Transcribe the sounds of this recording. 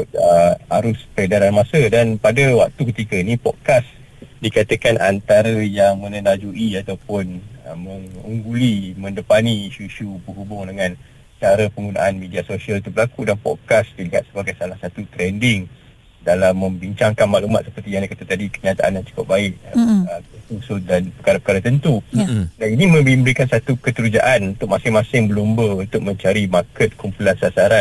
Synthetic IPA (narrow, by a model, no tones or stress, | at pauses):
ʊt̪̚əhaɾʊspɾedaɾanmasədanpadəwa̰k̚t̪ukət̪ikəinĩpɔd̚kas | dikat̪əkanʔa̰nt̪aɾəjaŋmə̃nəlad͡ʒuʔiat̪awpʊnə̰məŋuŋɡulimə̃ndəpaniːʃuiʃubəɦubʊŋdəŋãn | sət͡ʃaɾəpəŋɡuna̰ʔanmediasosialt̪ubəlakudanpɔ̰d̚kasdəliɦat̪̚səbaɡajsalahsat̪ut̪ɾɛndɪŋ | dalamːə̃mbiɲt͡ʃaŋkanmaʔlumat̪sə̥pərt̪ijaŋdakat̪ət̪adikəɲat̪a̰ʔa̰njant͡ʃu̥kʊp̚baɪʔəəsusut̪̚danpəkaɾapəkaɾat̪ənt̪udaninimə̃bimbəɾikansat̪ukət̪əɾud͡ʒa̰ʔanunt̪ʊk̚masɪŋmãsɪŋbəlumbəunt̪ʊk̚mə̃ɲt͡ʃaɾimakət̪̚kumpulansasaɾan